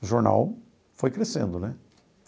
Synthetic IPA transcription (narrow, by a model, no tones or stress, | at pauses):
ʒoɾna̰w | fojkɾesḛ̃nd̪ʊnɛ